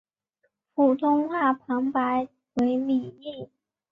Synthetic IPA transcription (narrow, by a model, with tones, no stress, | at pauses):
fu˨˩t̪ʰʊ˥ŋxwa˥˩pʰɑ˧˥ŋpa˧˥ɪ | we˧˥ɪli˨˩i˥˩